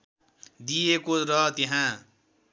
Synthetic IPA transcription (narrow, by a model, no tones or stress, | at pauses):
d̪ijekoɾʌt̪eɦã